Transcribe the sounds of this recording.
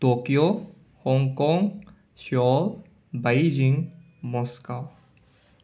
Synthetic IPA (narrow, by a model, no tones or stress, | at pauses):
t̪okijo | hɔŋkɔŋ | ʃɔl | bajd͡ʒiŋ | mɔskaw